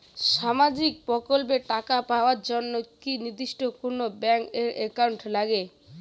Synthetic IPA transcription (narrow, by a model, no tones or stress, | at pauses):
ʃamad͡ʑik̚pɾɔkolp̬eʈakapaoaɾd͡ʑonːokiniɾd̪iʃʈokonobɛŋkeɾekawɳʈlaɡe